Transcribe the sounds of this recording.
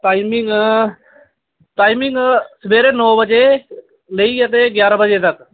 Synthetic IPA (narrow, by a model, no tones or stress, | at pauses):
t̪aːɪmɪŋɡ | t̪aːɪmɪŋɡsəbʱeːɾenoːbəd͡ʒe | ləiɐt̪eɡjaːɾəbəd͡ʒet̪ək